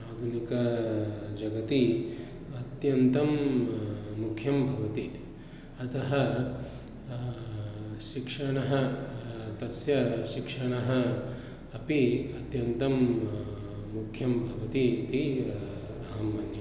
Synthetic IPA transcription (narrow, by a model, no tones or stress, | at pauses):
aːd̪ʱunikɐ | d͡ʒɐɡɐt̪i | ɐt̪jɐnt̪ɐmː | ukʰjɐmbʱɐʋɐt̪i | ɐt̪ɐɦɐ | ʃikʂɐɳɐɦɐ | t̪ɐsjɐʃikʂɐɳɐɦɐː | piɐt̪jɐnt̪ɐm | mukʰjɐmbʱɐʋɐt̪it̪i | ɐɦɐmːɐnjɐ